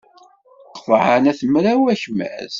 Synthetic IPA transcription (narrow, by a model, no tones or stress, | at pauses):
qːvʕənæθəmɾæwæçmæ̰z